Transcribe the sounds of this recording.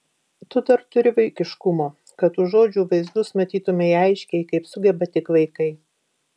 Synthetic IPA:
t̪ʊd̪ɐɾt̪ʊɾʲɪʋɐɪkʲɪʃkʊmoː | kɐt̪ʊʒoːd͡ʒʲuːʋɐɪzd̪ʊsmɐt̪ʲiːt̪ʊmʲɛiɐɪʃʲkʲɛɪkɐɪpsʊɡʲɛbɐt̪ʲɪkʋɐɪkɐɪ

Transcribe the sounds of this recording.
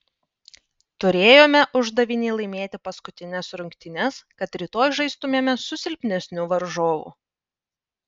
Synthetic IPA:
t̪ʊɾʲeːjoːmʲɛʔʊʒd̪ɐʋʲɪnʲeːlˠɐɪmʲeːt̪ʲɪpɐskʊt̪ʲɪnʲɛsɾʊŋʲkt̪ʲɪnʲɛskɐt̪ɾʲit̪oːjʒɐɪst̪ʊmʲeːmʲɛsʊsʲɪlʲpʲnʲɛsʲnʲuʋɐɾʒoːʋṵː

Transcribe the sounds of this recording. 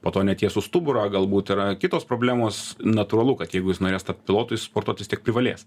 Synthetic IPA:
poːt̪oːnʲɛt̪jiɛsʊst̪ʊbʊɾɐːɡɐlˠbuːt̪ɪɾɐkʲɪt̪oːspɾoːbʲlʲæːmoːsnɐt̪uːɾɐlˠʊkɐt̪jɛɪɡʊjɪsnoːɾʲeːst̪ɐppʲɪlˠoːt̪ʊɪspoːɾt̪uɔt̪ʲʋʲɪst̪ʲiɛk̚pʲɾʲɪʋɐlʲeːs

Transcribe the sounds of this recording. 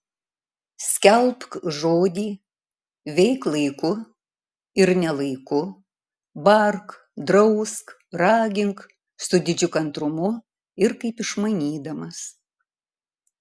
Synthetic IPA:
sʲkʲɛlˠpkʒoːd̪ʲiː | ʋʲɛɪklˠɐɪkʊ | ɪɾnʲɛlˠɐɪkʊ | bɐɾk | d̪ɾɐʊsk | ɾɑːɡʲɪŋk | sʊd̪ʲɪd͡ʒʲʊkɐnt̪ɾʊmʊ | ɪɾkɐɪpɪʃmɐɪnʲiːd̪ɐmɐs

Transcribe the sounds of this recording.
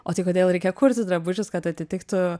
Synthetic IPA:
oːt̪ɐɪkoːd̪ʲeːlˠɾʲɛɪkʲejkʰuɾʲt̪ʲɪsd̪ɾɐbʊt͡ʃʲʊskɐt̪ɐt̪ʲɪt̪ʲɪkt̪ʊ

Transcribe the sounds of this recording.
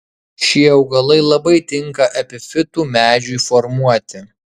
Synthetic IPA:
ʃʲiɛɐʊɡɐlˠɐɪlˠɐbɐɪt̪ʲɪŋkɐʔɛpʲɪfʲɪt̪uːmʲæːd͡ʒʲuːifɔɾmuɔt̪ʲɪ

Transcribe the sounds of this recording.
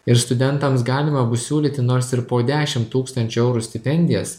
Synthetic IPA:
ɪɾst̪ʊd̪ʲɛnt̪ɐmsɡɑːlʲɪmɐbʊssʲuːlʲiːt̪ʲɪnoːɾsɪɾpoːd̪ʲæːʃʲɪmt̪uːkst̪ɐnʲt͡ʃʲuɛʊɾuːsʲt̪ʲɪpʲɛnʲd̪ʲɪjɛs

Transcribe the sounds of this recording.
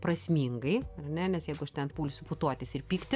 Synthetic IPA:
prɐsʲmʲiːŋɡɐɪɐrnʲɛnʲɛsjɛɪɡʊɐʃt̪ʲɛnpuːlʲʊsʲʊpʊt̪oɔt̪ʲɪsɪrpʲiːkt̪ʲɪ

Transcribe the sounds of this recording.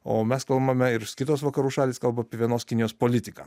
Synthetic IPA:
oːmʲɛskɐlˠbɐmʲɛɪɾskʲɪt̪oːsʋɐkɐɾuːʃɑːlʲiːskɐlˠbɐɐpʲiɛʋʲiɛnoːskʲɪnʲɪjoːspoːlʲɪt̪ʲɪkɑ̰

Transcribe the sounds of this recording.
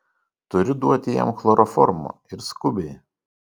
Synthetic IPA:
t̪ʊɾʲʊd̪uɔt̪ʲɪjɛ̰mxlˠɔɾʔɔfɔɾmo̰ | ɪɾskʊbʲɛɪ

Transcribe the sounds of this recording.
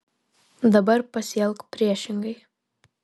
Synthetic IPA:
d̪ɐbɐɾpɐsʲɛlˠkpʲɾʲiɛʃʲɪŋɡəj

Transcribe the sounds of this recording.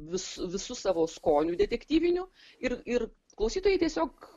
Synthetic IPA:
ʋʲɪsʊʋʲɪsʊsɑːʋoːskoːnʲuːd̪ʲɛt̪ʲɛkt̪ʲiːʋʲɪnʲʊ | ɪrɪr | klˠɐʊsʲiːt̪oːjɛɪt̪ʲiɛsʲoːk

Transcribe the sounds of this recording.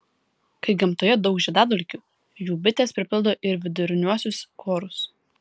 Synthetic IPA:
kɐɪɡʲɛmt̪oːjɛd̪ɒʊkʒʲɛd̪ɑːd̪ɔlʲkʲuː | juːbʲɪt̪ʲeːspʲɾʲɪpʲɪlˠd̪oːʔɪɾʋʲɪd̪ʊɾʲɪnʲuɔsʲʊskʰoːɾʊs

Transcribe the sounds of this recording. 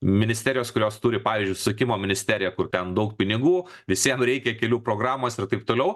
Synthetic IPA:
mʲɪnʲɪsʲt̪ʲæːɾʲɪjoːskʊɾʲoːst̪ʊɾʲɪpɑːʋʲɪːzʲd͡ʒʲʊɪsʊsʲɐkʲɪmoːmʲɪnʲɪsʲt̪ʲæːɾʲɪjɛkʊrt̪ʲɛnd̪ɐʊkpʲɪnʲɪɡuːʋʲɪsʲiɛmɾʲɛɪkʲɛkʲɛlʲuːpɾoːɡɾɑːmoːsɪrt̪ɐɪp̚t̪oːlʲɛʊ

